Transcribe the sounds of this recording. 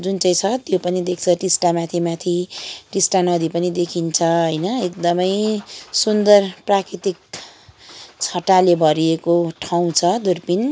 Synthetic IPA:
d͡zunt͡saj̃t͡sʰʌt̪jopʌnid̪ek̚ʰt͡sʰʌʈisʈamat̪ʰimat̪ʰiʈisʈanʌd̪ipʌnid̪ekʰint͡sʰʌɦʌjnʌekd̪ʌmʌjsund̪ʌrprakɾit̪ik̚ | t͡sʰʌʈalebʱʌɾiekoʈʰaw̃t͡sʰʌd̪urpin

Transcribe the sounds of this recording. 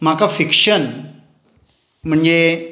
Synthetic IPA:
m̤akafikʂən | m̤əɳd͡ze

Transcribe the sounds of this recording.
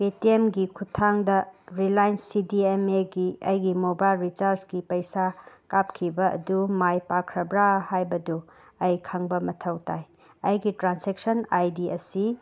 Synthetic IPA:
petiemɡikʰutʰaŋdɐɾilajnsːidiemeɡiɐjɡimobajlɾit͡ʃaɾsɡipɐjsakap̚kʰibɐɐ̰dumajpakʰɾɐbɾahajbɐdu | ɐjkʰaŋbɐmɐtʰɐwtaj | ɐjɡitɾansek̚sɐnajdiɐsi

